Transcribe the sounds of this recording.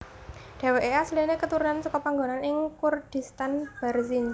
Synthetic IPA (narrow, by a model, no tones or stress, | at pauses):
ɖ̥a̤weʔeaslinekət̪uɾunansɔkɔpaŋɡonanɪŋkurd̥i̤st̪anb̥ɛrzin